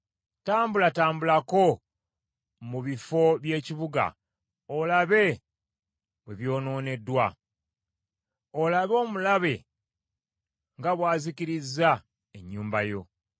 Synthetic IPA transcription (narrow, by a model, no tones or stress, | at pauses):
taːmbulataːmbulako̞ | muβifo̞βje̞ːciβuɡa̰ | olaβe̞ | βwe̞βjo̞ːno̞ːne̞dːwa | olaβo̞ːmulaβe̞ | ŋɡaβwaːziciɾizːa | eɲːuːmba̰jo̞̰